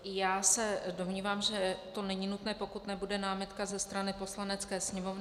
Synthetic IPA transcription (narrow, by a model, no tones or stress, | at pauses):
jaːsɛdo̞mɲiːvaːmʒɛt̪o̞nɛɲinut̪nɛːpokut̪nɛbudɛnaːmɪt̪kazɛst̪ɾanɪpo̞slanɛt͡skɛːsɲɛmo̞vnɪ